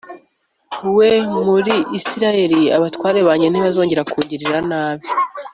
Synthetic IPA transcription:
wemuɾiʔisiɾaje̞ɾiaβatwaːɾe̞βaːɲen̥iβazo̞ːɲɟe̞ɾakuːɲɟiɾiɾanaːβi

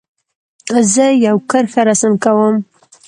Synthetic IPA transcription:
zəjawkʰəɾxaɾasɨmkawəm

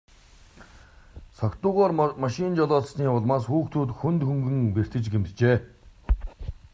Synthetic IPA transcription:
sɔkt̪ʊːʁaːrmaʃɪnt͡ɕɔɮɔːɮsniːʊɮmaːsxuːkt̪ʰuːt̪xunt̪xuŋɡɘ̆ŋper̥t̪ɘ̆t͡ɕɡemt̪t͡ɕeː

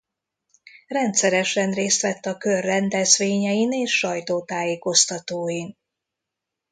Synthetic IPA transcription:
rɛnt̪sɛɾɛʃɛnreːst̪ʋɛt̪ːɒkørːɛnd̪ɛzʋeːɲɛjineːʃːɒjt̪oːt̪aːjeːko̞st̪ɒt̪oːjin

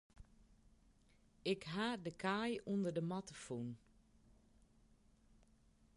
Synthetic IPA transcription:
ɪkɦaːdəkʰaːjundərdəmatəfun

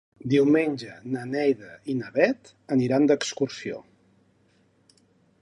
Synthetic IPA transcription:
d̪iwmenʲʒənənɛjðəinəβɛt̪ | əniɾand̪əkskursio̰

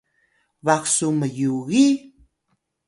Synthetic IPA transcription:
vaksuməjuɣi

